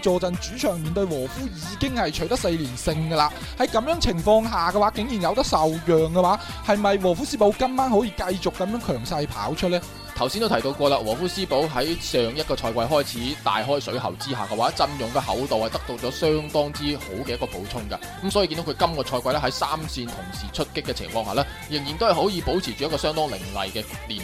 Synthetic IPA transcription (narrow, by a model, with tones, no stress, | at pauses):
t͡ʃɔː˨˧t͡sɐ˨nt͡ʃyː˨˥t͡ʃʰœː˨˩ŋmiː˨nt̪ɵ˧ɥwɔː˨˩fuː˥jiː˨˥kɪ˥ŋhɐ˨jt͡ʃʰɵ˨˥ɥt̪ɐ˥k̚se˧jliː˨˩nsɪ˧ŋɡɐ˧laː˧ | hɐ˨˦jkɐ˨˧mjœː˨˥ŋt͡sʰɪ˨˩ŋfɔː˧ŋɦaː˨˩ɡɐ˧waː˨˥kɪ˨˥ŋjiː˨˩njɐ˨˧wt̪ɐ˥k̚sɐ˨wjœː˨ŋkɛ˧waː˨˥ | hɐ˨jmɐ˨jwɔː˨˩fuː˥siː˥po˨˥wkɐ˥mmaː˥nho˨˥jiː˨˧kɐ˧jt͡sʊ˨kːɐ˨˥mjœː˨˥ŋkʰœː˨˩ŋsɐ˧jpʰa̰ː˨˥wt͡ʃʰɵ˥t̚lɛː˥ | t̪ʰɐ˨˩wsiː˥nt̪wt̪ʰt̪o˧wkɔː˧laː˧wɔ̰ː˨˩fuː˥siː˥po˨˥wɦɐ˨˥jsœː˨ŋjɐ˥t̚kɔː˧t͡ʃʰɔː˧jkʷɐ˧jɦɔː˥jt͡sʰiː˨˥t̪a̰ː˨jɦɔː˥jsɵ˨˥ɥhɐ̰˨wt͡siː˥haː˨˩kɛ˧waː˨˥t͡sɐ˧njʊ˨ŋkɛː˧hɐ̰˨˥wt̪o˨whɐ˨˩jt̪ɐ˥k̚t̪o˧wt͡ʃɔː˨˥sœː˥ŋt̪ɔː˥ŋt͡siː˥ho˨˥wkɛː˧jɐ˥kɔː˧po̰˨˥wt͡sʰʊ˥ŋkɐ˧kɐ˦˥msɔː˨˥ji˨˧ki˧d̪o˦˥kʰkɐ˥mkɔː˧t͡ʃʰɔː˧jkʷɐ˧jlɛ˥ɦɐ˨˥jsaː˥msiː˧nt̪ʰʊ˨˩ŋsiː˨˩t͡ʃʰɵ˥t̚kɪ˥kːɛː˧t͡sʰɪ̰˨˩ŋfɔː˧ŋha̰ː˨lɛː˥ | jɪ˨˩ŋji˨nt̪o˥whjho˨˥jiː˨˧po˨˥wt͡sʰiː˨˩t͡ʃyː˨jɐ˥kɔ˧sœː˥ŋt̪ɔː˥ŋlɪ̰˨˩ŋlɐ̰˨jkɛː˧liː˨˩n